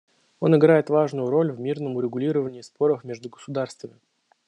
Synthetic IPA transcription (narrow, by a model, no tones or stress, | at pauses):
o̞nɪɡɾajɪt̪vaʐnʊjʊɾo̞lʲvʲmʲirnəmʊɾʲɪɡʊlʲiɾəvənʲɪːspo̞ɾəfmʲeɛʐd̪ʊɡəsʊd̪arst̪vəmʲɪ